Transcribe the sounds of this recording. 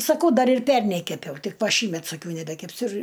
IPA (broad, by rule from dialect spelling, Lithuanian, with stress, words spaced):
sɐˈkɐʊ ˈdɐr ɪr ˈpʲɛrʲnʲɛɪ kʲɛˈpʲɛʊ ˈtʲɪk ˈʋɐ ˈʃʲiːmʲɛt sɐˈkʲɛʊ nʲɛbʲɛkʲɛpʲˈsʲʊ ɪr